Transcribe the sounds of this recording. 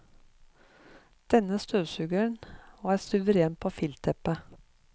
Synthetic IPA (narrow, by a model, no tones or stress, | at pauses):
d̪̥ɛnəst̪øːsʉɡəɳoæːsʉʋəɾeːnpʰoːfɪlt̪ʰɛpə